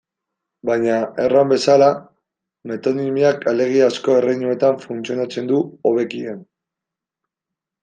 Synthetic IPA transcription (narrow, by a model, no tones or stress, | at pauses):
bajɲae̞rambe̞sala | me̞t̪o̞nimiakale̞ɣ̞iasko̞e̞rejɲue̞t̪aɱfunt͡sio̞nat͡se̞nd̪uoβe̞kien